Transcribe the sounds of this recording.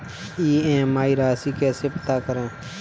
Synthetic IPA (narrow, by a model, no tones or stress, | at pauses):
iːẽːmaːiːɾaːsiːkɛːseːpət̪aːkəɾãː